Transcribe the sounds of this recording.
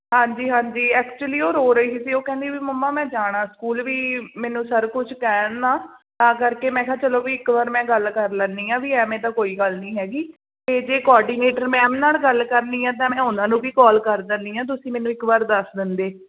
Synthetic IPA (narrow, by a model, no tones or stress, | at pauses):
ɦãːɲd͡ʒiːɦãːɲd͡ʒiːɛːkt͡ʃuəliːoːɾoːɾəiːsiːsiːoːkɛ̃ːnd̪ibiːməmːãːmɛ̃ːd͡ʒaːɽaːskuːlʋiːmɛ̃ːnũːsəɾkʊt͡ʃʰkɛːnːaːt̪ãːkəɾkeːmɛ̃ːkʰãːt͡ʃəlõːʋiːɪkʋaːɾmɛ̃ːɡəlkəɾlənːiːãːʋiːɛːmɛ̃ːt̪̬ãːkoːiːɡəlnĩːɦɛːɡiː | t̪eːd͡ʒeːkɔːɖiːneːʈəɾmɛ̃ːmnaːlɡəlkəɾniːãːt̪̬ãːmɛ̃ːʊnãːnũːbiːkɔːlkəɾd̪ənd̪iːãːt̪̬ʊsĩːmɛːnũːɪkʋaːɾd̪əsd̪ɪnd̪eː